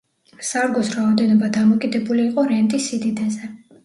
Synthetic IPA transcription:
saɾɡɔsɾaɔd̪ɛnɔbad̪amɔkʼid̪ɛbuliːqʼɔɾɛnt̪ʼisid̪id̪azɛ

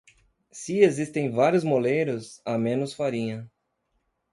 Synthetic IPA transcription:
siezist̪ẽj̃vaɾjʊzmolejɾʊsamẽnʊsfaɾĩɲɐ

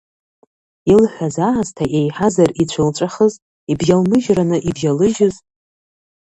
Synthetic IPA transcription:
ilħʷᶣazaʕaztʰaʔe̞jħazarit͡ɕʷʰɨlt͡ʃʷʼaχəz | ibjalmɨʒranɨʔibjalɨʒɪz

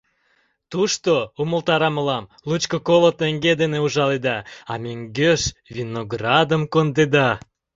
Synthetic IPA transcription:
t̪uʃt̪ouməlt̪ɑɾɑməlɑm | lut͡ɕkokolot̪eŋɡed̪eneuʒɑled̪ɑɑmeŋɡøʃvʲinoɡrɑd̪əmkond̪ed̪ɑ

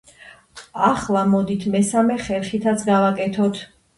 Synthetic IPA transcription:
aχlˠamɔd̪it̪ʰmɛsamɛχɛlˠχit̪ʰat̪sʰɡavakʼɛt̪ʰɔt̪ʰ

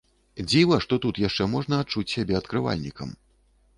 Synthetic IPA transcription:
d͡zʲivɐʂt̪ɔt̪ut̪jaʂt͡ʂɛmɔʐnɐːt̪̚t͡ʂut͡sʲsʲabʲɛɐt̪kɾɨva̰lʲnʲikɐ̰m

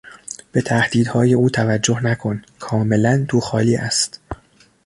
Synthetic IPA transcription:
b̥e̞t̪ʰæhd̪̥iːd̪hɒːje̞uːt̪ʰævæd͡ʒːo̞hnækʰo̞nkʰɒːme̞lænd̪ʰuːxɒːliːʔæst̪

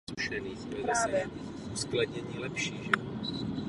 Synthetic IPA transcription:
uʃɛniːxɛaːɛɛ | uskladɲɛɲiːlɛpʃiːɣʒɛɔ

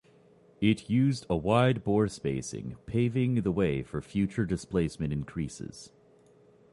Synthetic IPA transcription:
ɪtʰjʉzdəwaɪd̚bɔɹspeɪsɪ̰̃ŋpʰeɪvɪ̃ŋðəweɪfə˞fjʉt͡ʃə˞dɨspleɪsmɨ̃ñɨ̃nkʰɹ̥isɪ̰z̥

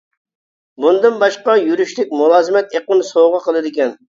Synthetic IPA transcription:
bund̪ɨnbɑʃqɑjyɾyʃlɪkʲmulˠɑːzɨmɛt̪eqənsoʁɑqʰəlˠɨd̪ɪkʲɛn

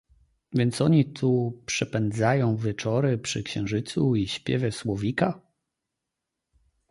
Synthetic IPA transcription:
vʲjɛnt̪sɔɲit̪ʰupʂɛpɛnd̪zajɔ̃w̃vʲjɛt͡ʂɔɾɘpʂɘkɕɛ̃w̃ʐɘt̪suiɕpʲjɛ̰vʲjɛswɔvʲika

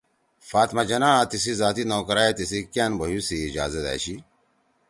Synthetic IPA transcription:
faːt̪mɐd͡ʑɐnaːt̪isizaːt̪inoːkɾaːet̪isikanbʱɐɦjusiːd͡ʒa̰ːzɐd̪ɛ̰ːɕi

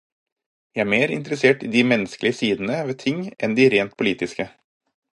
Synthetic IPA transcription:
jææːɾmeːɾɪ̰nt̪əɾəseːʈiːd̪iːmɛnəsklɪəsiːd̪n̩əʋeːt̪ʰɪŋʔɛnd̪iɾeːnt̪̚pʰʊliːt̪ɪskə

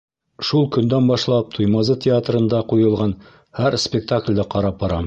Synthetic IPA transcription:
ʃulˠkɵ̆nd̪ænbɑʃlˠɑp̚t̪ʰujmɑzɤtʲʰɪat̪rɤ̆nd̪ɑqujɤ̆lˠʁɑn | hæɾspʲɪk̚t̪aklʲd̪ɘqɑɾɑp̚bɑɾɑm

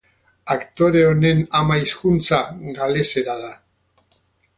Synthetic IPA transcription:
akt̪o̞ɾe̞one̞namaiskunt͡saɣale̞se̞ɾaða

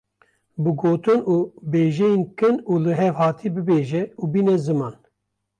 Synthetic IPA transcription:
bɨɡoːt̪ɨnuːbeːʒejenkɨnuːlɨɦɛvhɑːt̪ʰibɨbeːʒɛuːbiːnɛzɨmɑːn

